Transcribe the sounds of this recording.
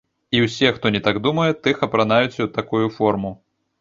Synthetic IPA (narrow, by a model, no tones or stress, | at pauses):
iwsʲɛxt̪ɔnʲɛt̪aɡd̪umɐjɛt̪ɨxɐpɾanajut͡sʲɐwt̪akujufɔrmu